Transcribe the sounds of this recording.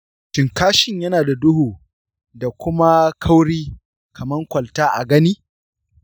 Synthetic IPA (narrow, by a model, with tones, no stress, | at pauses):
tɪ˨ŋkaː˦ʃɪ˨ɲjɐ˦naː˨da˨dʊ˦huː˨ | da˨kʷʊ˦ma˦kʰɐ˦wɽiː˦ | kʰɐ˨mɐ˦ŋkʷɐ˨ltaː˦ʔa̰˨ɡɐ˦niː˦